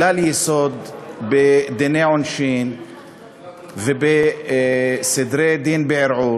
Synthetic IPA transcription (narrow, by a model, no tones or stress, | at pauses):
laljɪsod̪bɪd̪ɪneʕʊnʃiːn | vɪbɪ | sɪd̪ɾed̪iːnbɪʕɪɾʕuː